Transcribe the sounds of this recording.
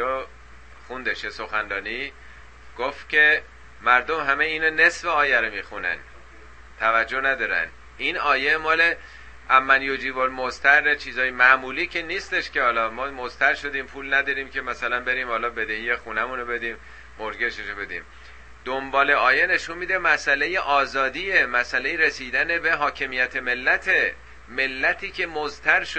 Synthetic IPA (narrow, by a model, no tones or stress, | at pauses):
o | xund̪eʃjesoxænɾɒːni | ɡ̥oft̪cʲʰe̞ | mæɾd̪o̞mɦæmeiːnone̞sfeɒːjæɾomiːxunæ̰n | t̪ʰævæd͡ʒːonæd̪ɒːɾæ̰n | iːnɒːje̞mɒːle̞ | æmːænjod͡ʒiːbolmost̪ʰæɾːet͡ʃʰiːzɒːjemæʔmuːliːcʰeniːst̪e̞ʃce̞hɒːlɒːmɒːmozt̪ʰæɾʃo̞d̪iːmpʰuːlnæd̪ɒːɾiːmcʰe̞mæsælænbe̞ɾiːmhɒːlɒːbe̞d̪e̞hiːje̞xuːnæmuːnobe̞d̪iːmː | oɾɡeʃeʃobe̞d̪ḭːm | d̪̥ombɒːle̞ɒːje̞ne̞ʃunmiːd̪emæsʔælejeʔɒːzɒːd̪iːemæsʔæle̞jeɾesiːd̪æne̞be̞ɦɒːcʰe̞mijæt̪ʰe̞me̞lːæt̪ʰe | me̞lːæt̪ʰiːcʰe̞mozt̪ʰæɾʃ